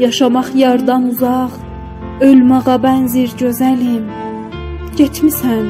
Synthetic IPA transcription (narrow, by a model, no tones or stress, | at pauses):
jɑʃɑmɑχjɑɾd̪ɑnuzɑʁ | ølmɑʁɑbænziɾɟø̞zælim | ɟet̪ʰmisæn